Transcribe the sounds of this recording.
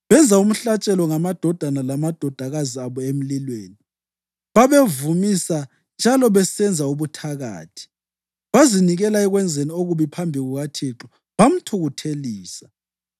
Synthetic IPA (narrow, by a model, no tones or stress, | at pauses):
βɛnd͡zʱaum̩ɬat͡ʃʼɛlɔŋamad̥ʱɔd̥ʱanalamad̥ʱɔd̥ʱaɣaziaβɔem̩lilweːni | βaβevumisa | nd͡ʒʱalɔβɛsɛnd͡zʱauβutʰaɣa̰ːtʰi̥ | βaziniɣɛlaɛɣwɛnd͡zʱenioɣuβipʰambʱiɣuɣatʰiǁɔ | βam̩tʰuɣutʰeliːsḁ